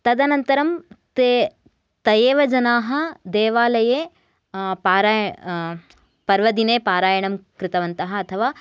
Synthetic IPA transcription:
t̪ɐd̪ɐnɐnt̪ɐɾɐmt̪e | t̪ɐjeːʋɐd͡ʒɐnaːɦɐd̪eːʋaːlɐjeː | paːɾaːj | pɐɾʋɐd̪ineːpaːɾaːjɐɳɐmkɾɪt̪ɐʋɐnt̪ɐɦɐːt̪ʰɐʋaː

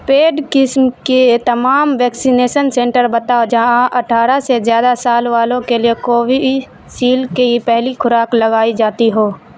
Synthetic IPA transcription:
peːɖkɪsmket̪ɐmaːmʋɛːksineːʃənsẽːɳʈəɾbət̪aːod͡ʒaãʔɐʈʰaːɾasezjaːd̪asaːlʋaːlõkeliekoːʋi | siːlkeipɛɦlikʰʊɾaːkləɡaːid͡ʒaːt̪iɦoː

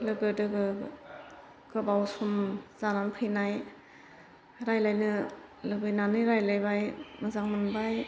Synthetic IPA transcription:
lɯɡɯdɯɡɯ | ɡ̥ɯbawsumz̥ananpʰɯjnaj | ɾajlajnɯlɯbɯjnanɯɾajlajbajmɯzaŋmɯnbaj

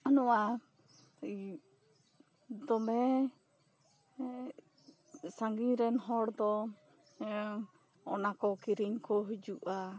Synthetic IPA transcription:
anɔa | i | d̪ɔmɛ | saŋɡiɾɛnɦɔɾd̪ɔ | ɔnakɔkiɾiɲkɔɦd͡ʒuʔa

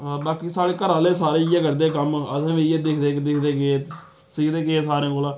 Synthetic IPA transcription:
baːkiːsaːɽeːkəɾaːleːsaːɾeːɪjaːkəɾd̪eːkəməd̪ãːʋieːd̪ɪkʰd̪eːkd̪ɪkʰd̪eːkeeː | siːkd̪eːkeeːsaːɾẽːkolãː

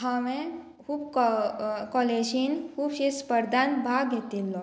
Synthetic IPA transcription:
ɦaʋẽ | kʰuːbkɔkɔled͡ʑinkʰuːbɕespəɾd̪ʱanbʱaɡɡʱet̪ilːɔ

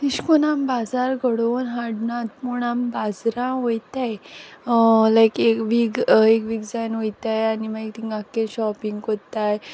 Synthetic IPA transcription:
t̪iɕkonambad͡zaɾɡʱəɽonɦaɽnat̪̚puɳambad͡zɾãʋojt̪aj | lajkekʋiɡekʋiɡd͡zajnʋojt̪ajanimaek̚t̪iŋɡakːẽɕɔpiŋɡot̪aj

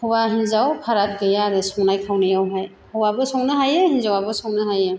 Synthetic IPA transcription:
hɔwaɦinzawpʰaɾat̚ɡɯjaɾɯsɔŋnajkʰawnɯjawɦaj | hɔwabɯsɔŋnɯɦajɯhinzawabɯsɔŋnɯɦajɯ

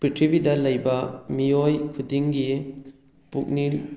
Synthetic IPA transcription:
pitʰɾibidɐlɐjbɐmiojkʰudiŋɡi | puk̚ni

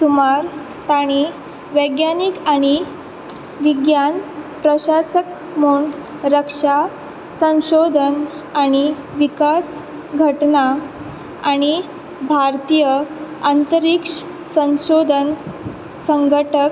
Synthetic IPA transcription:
sumaɾ | t̪aɽ̃i | ʋəjɡjanikaɽ̃i | ʋiɡjanpɾəɕasək | moɳɖ | ɾəkʂa | sə̃w̃ɕod̪ʱən | aɽ̃i | ʋikas | ɡʱəʈna | aɽ̃i | bʱaɾt̪ijəant̪əɾikʂ | sə̃w̃ɕod̪ʱən | səŋɡʱəʈʰək

